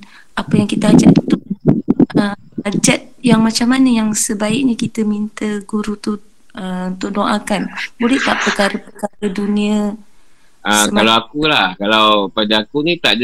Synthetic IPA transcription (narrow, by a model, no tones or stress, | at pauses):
apəjaŋkit̪əad͡ʒat̪unt̪ʊʔ̚ | ə | ad͡ʒat̪̚jaŋmat͡ʃamːanəjaŋsəbaɪʔ̚ɲəkit̪əmint̪əɡuɾut̪u | əunt̪ʊʔ̚doʔakanbolɛhk̪aʔpərkaɾəpəkaɾədunĩə | ʔasəalawakulahkalawpadaakunit̪aʔd